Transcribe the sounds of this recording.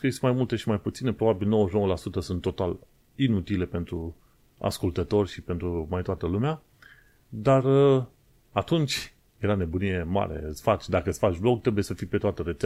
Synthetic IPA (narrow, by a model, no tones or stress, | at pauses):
kismajmult̪e̞ʃimajput̪sine̞pɾo̞babilno̞wəʒnowəlasut̪əsunt̪ːo̞t̪al | inut̪ile̞pe̞nt̪ɾu | a̰skult̪ət̪o̞rʲʃipe̞nt̪ɾumajt̪oat̪əlumea | d̪arə | at̪unt͡ʃʲ | jeɾane̞bunije̞ma̰ɾe̞̰ɨt̪sfat͡ʃʲd̪akəɨsfat͡ʃʲblo̞k̚t̪ɾe̞buje̞səfijpe̞t̪oat̪əɾet̪se